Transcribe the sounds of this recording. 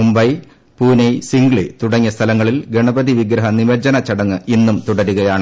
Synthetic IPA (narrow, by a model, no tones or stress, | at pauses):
umbɐj | puːnɐjsiŋɡɭit̪uɽɐŋːɐst̪ʰɐlɐŋːɐɭilɡeɳɐbɐðiʋiɡɾɐɦɐniʋɐd͡ʑɐnɐt͡ɕɐɽɐŋːɨʔinːumt̪uɽɐɾuɣɐjaːɳɨ